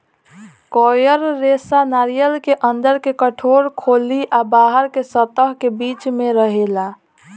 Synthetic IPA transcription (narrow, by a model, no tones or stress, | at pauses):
kɔjəɾːesanaɾijəlkeʔənd̪əɾkekəʈʰoɾkʰoliʔabaɦəɾkesət̪əɦkebiːt͡ʃmẽɾəɦela